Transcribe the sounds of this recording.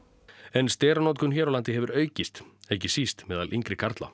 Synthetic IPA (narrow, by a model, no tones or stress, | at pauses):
ɛnst̪ɛːɾanɔwt̪̬kʏnçɛːɾawlant̪ɪɦɛvʏɾœːɥcɪst̪ɛhcɪsist̪mɛːða̰lʔiŋkɾɪkʰaɾt̪la̰